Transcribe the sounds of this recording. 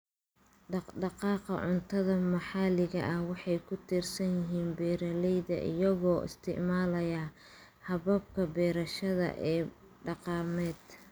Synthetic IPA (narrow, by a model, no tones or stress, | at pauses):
ɖɑɖɑqɑːqɑ̰ʕʊnt̪ʰɐðɐmɐħɑlɪɣɐʔɐhwɑħɑjkʰʊt̪ʰiːrsɐnjɪɦiːnbɛːɾɐlɛjðɐʔɪ̰jɐɣɔːʔɪ̰st̪ʰɪ̰ʕmaːlɐjɐ | hɐβɐb̚kʰɐbɛːɾɐʃɐðɐ̰ʔɛː | ɖɑqɑːmɛːd̪